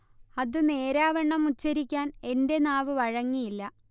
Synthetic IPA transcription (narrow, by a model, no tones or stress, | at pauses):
ɐðɨne̞ːɾaːʋɐɳːɐmut͡ɕːɐɾikʲːaːne̞nde̞naːʋɨʋɐɻɐŋːijilːɐ